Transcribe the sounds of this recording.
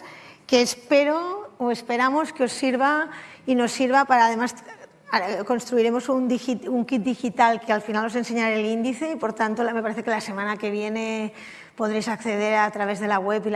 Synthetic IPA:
keːspe̞ɾooe̞spe̞ɾamo̞skeo̞sːiɾβaino̞sːiɾβapaɾaðe̞mas | ako̞nst̪ɾuiɾe̞mo̞sund̪ixituŋkit̪̚d̪ixit̪alkealfinalo̞se̞nse̞ɲaɾelind̪iθe̞ipo̞ɾt̪ant̪ome̞paɾeθe̞ke̞lase̞manake̞β̞je̞ne̞ | po̞ðɾejsakθe̞ð̞e̞ɾat̪ɾaβ̞e̞zðe̞laɣwepi

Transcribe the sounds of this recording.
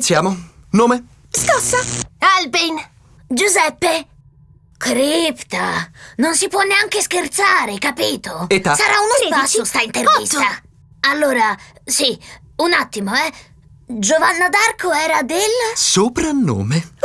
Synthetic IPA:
t̪sjaːmonoːme | skɔsːaɛlpin | d͡ʒuzɛpːe | kɾipt̪anonsipwɔnːeaŋk̟eskert̪saːɾekapiːt̪oet̪ːasaɾaunoasost̪aint̪ervist̪a | alːoːɾasiunat̪ːimoɛ | d͡ʒovanːad̪arkʰoɛːɾad̪elsopɾanːo̰ːme

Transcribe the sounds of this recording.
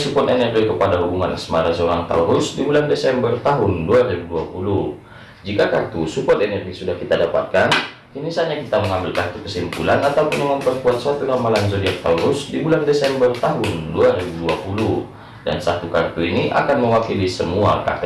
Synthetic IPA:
supɔt̪ɛnɛrɡikəpadaɦubuŋa̰nsəmaɾasəoɾaŋt̪a̰uɾusdibulandesɛmbərt̪aɦʊnduaɾibuduapulu | d͡ʒikakart̪usupɔt̪ɛnɛrɡisudahkit̪adapa̰t̪̚kan | kinisaɲakit̪aməŋambɪlkart̪ukəsimpulanat̪aupunməŋamparpuat̪̚sat̪unamalansɔdiak̚t̪auɾusdibulandesɛmbərt̪aɦʊnduaɾibuduapulu | da̰nsat̪ukart̪uiniʔa̰kanməwakilisəmua̰ka̰t̪

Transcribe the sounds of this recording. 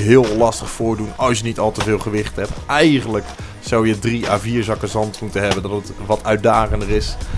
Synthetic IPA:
ɦɪːlˠlɑstəχfʊːɹdunɑlˠsjənitɑlˠtəvɪːlˠχəʋɪχthɛpʔɛjχənlək | sawjədria̰ːviːɹzɑkəzɑntmutənɦɛbəndɑtətʋɑtœɥt̚daːχəndərɪs

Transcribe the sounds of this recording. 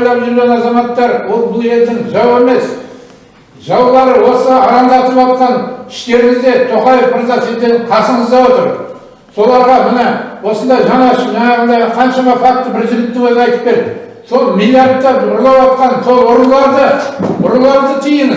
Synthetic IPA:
jlˠɑpʒʏɾɡʲe̞nɑzɑmɑt̪ːɑɾwolˠbʊlˠe̞ld̪ɪŋʒɑwe̞me̞s | ʒɑwlˠɑɾəwo̞səɑɾɑnd̪ɑt̪əpɑt̪qɑnɪ̥ʃt̪e̞ɾɪŋɪzd̪e̞t̪ʰo̞qɑjefməɾzɑsezd̪enqʰɑsəɴəzd̪ɑwo̞t̪əɾ | so̞lˠɑɾʁɑmɪnɑwo̞sənd̪ɑjʒɑɴɑʃəʒɑjɑʁənd̪ɑqʰɑnʃɑmɑfɑk̚t̪ːəbɪɾʒɪɾɪt̪̚t̪ːɪŋwɵzəɑjt̪əp̚pe̞ɾd̪ɪ | so̞lˠmilˠijɑɾt̪ːɑʊɾlˠɑwɑt̪̚qɑnso̞lˠwʊɾnlˠɑɾd̪əʊɾənlˠɑɾd̪ət̪ʰijɪn

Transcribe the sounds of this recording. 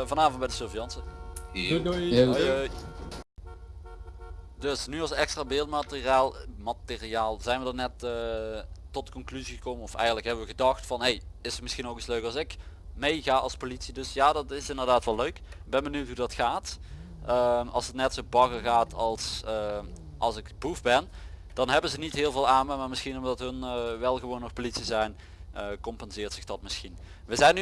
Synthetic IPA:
vɑnaːvənt̚bɛjdəsølˠvijɑnsə | j | dɵsnyɑlˠsɛkstraːbɪːlˠtmatɪriaːlˠmatɪriaːlˠzɛjnʋədɑnɛtə | tɔtə̥kɔnklyziɣəkowmənɔfɛ̰jɣəntləkɦɛbəʋəɣədɑxtfɑnɦejɪsətmɪsχinowki̥sløɥkɑlˠsɪk | mejɣaːʔɑlˠspolitsidɵsjaːdɑtɪsɪndərdaːtʋɛlːøɥkbɛnbənywtɦudɑtxaːt | əmɑ̰lˠsətnɛtsobɑkərɣaːtʰɑlˠs | ʔɑlˠsɪkbufbɛnd̥ɑnɦɛbənzənitɦɪːlˠvɪːlˠaːməmaːɹmɪsxinɔmdɑtɦɵnʋɛlˠɣəʋownːɔxpolitsizɛjn | əkɔmpɛnzɪːrtsɪxd̥ɑtmɪsxin | ʋəzɛjny

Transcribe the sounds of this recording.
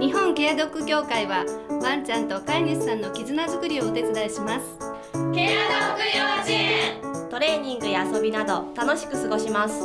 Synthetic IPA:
ɲ̟iɦõ̞ŋke̞jad̪o̞kːɯ̟kʲo̞ːkaiβabãɲ̟t͡ɕãnt̪o̞kaiɲissãnːo̞kʲizɨnazɨkɯ̟ɾʲio̞ɯt̪e̞t͡sɨd̪aiɕimasɨ̥ | kead̪okɯoit̪o̞ɾe̞ːɲ̟ĩŋɡɯ̟jaːso̞bʲinad̪o̞t̪ano̞ɕi̥kɯ̟sɨɡo̞ɕimasɨ̥

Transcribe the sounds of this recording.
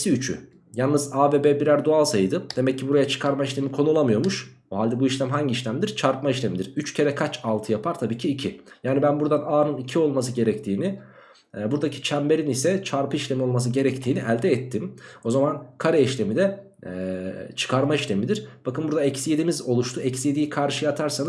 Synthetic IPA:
siyt͡ʃʰy̰ | jalˠnːɯzaːbeːbebiɾæɾd̪oalˠsajɯd̪ɯd̪̥e̞mɛcːibuɾajat͡ʃʰɯ̥kʰaɾmaiʃlʲe̞mikʰo̞nulˠamɯjo̞ɾmuʃ | oɦalʲd̪ɛbuiʃlʲæmɦaɲɟiːʃlʲæmd̪iɾ̥t͡ʃʰaɾpmaiʃlʲe̞mid̪iɾyt͡ʃcʰe̞ɾɛkʰat͡ʃalˠt̪ʰɯjapʰaɾt̪ʰabiːcʰiːcʰijaːnibænbuɾd̪anaːnɯnicʰio̞lˠmas̬ɯɟe̞ɾɛct̪ʰiːni | buɾd̪acʰi̥t͡ʃʰæmbe̞ɾinisɛt͡ʃʰaɾpʰɯiʃlʲe̞mio̞lˠmas̬ɯɟe̞ɾɛct̪ʰiːniʔælʲd̪ɛːt̪ʰːimo̞zamankʰaɾɛiʃlʲe̞mid̪ɛ | t͡ʃʰɯ̥kʰaɾmaiʃlʲe̞mid̪iɾ̥b̥akɯnbuɾd̪aɛcsje̞d̪imizo̞lˠuʃt̪ʰuɛcsije̞d̪ijikʰaɾʃɯjat̪ʰaɾsanɯz

